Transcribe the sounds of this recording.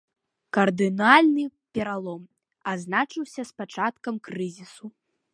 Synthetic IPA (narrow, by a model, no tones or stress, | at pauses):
kɐrd̪ɨnalʲnɨpʲɛɾalˠɔm | aznat͡ʂɨwsʲɐspat͡ʂat̪kɐmkɾɨzʲisu